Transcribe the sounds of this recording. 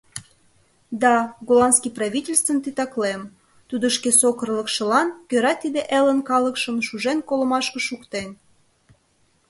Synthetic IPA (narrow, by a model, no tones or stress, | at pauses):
d̪ɑɡolɑnskiprɑβʲitʲelʲst̪vənt̪it̪ɑklem | t̪ud̪əʃkesokə̆rləkʃə̆lɑnkøɾɑt̪id̪eʔelənkɑləkʃəmʃuʒenkoləmɑʃkə̆ʃukt̪en